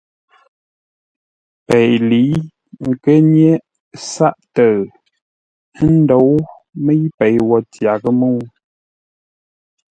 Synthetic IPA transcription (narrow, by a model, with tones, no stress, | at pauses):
pɛ˨jli˨˦ | ŋ̩˨kə˦ɲje˦ | sa˦ʔtə˨˦ | n̩˦do˨˦w | mə˦jpɛ˨jwɔ˨tja˨kə˦mu˦˨˦